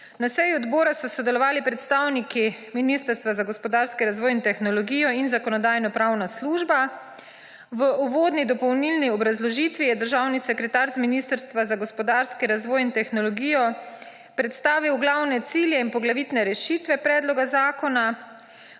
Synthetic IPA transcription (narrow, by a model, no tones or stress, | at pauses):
nasɛjuɔd̪bɔːɾasɔsɔd̪ɛlɔʋaːlipɾɛt̪st̪aːwnikiminist̪əɾst̪ʋazaɡɔspɔd̪aːɾskiɾazʋɔːjint̪ɛxnɔlɔɡiːjɔinzakɔnɔd̪aːjnɔpɾaːwnasluːʒba | ʋəʔuʋoːd̪nid̪ɔpɔwnilniɔbɾazlɔʒiːt̪ʋijɛd̪əɾʒawnisɛkɾɛt̪aːɾzminist̪əɾst̪ʋazaɡɔspɔd̪aːɾskiɾazʋɔːjint̪ɛxnɔlɔɡiːjɔ | pɾɛt̪st̪aːʋiwɡlawnɛt̪siljɛinpɔɡlaʋit̪nɛɾɛʃit̪ʋɛpɾɛːd̪lɔɡazaːkɔna